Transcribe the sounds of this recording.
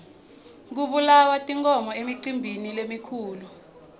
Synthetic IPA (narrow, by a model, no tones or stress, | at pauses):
k̬uɓulawatʼiŋkʰʼɔmɔemiǀimbʱinilemikʰuːlu